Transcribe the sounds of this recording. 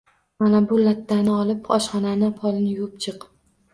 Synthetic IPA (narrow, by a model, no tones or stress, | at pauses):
manabʊlat̪ʰːanɪɒlˠɪpɒʃχɒnanɪpʰɒlˠɪnɪjʊp̚t͡ʃʰɨq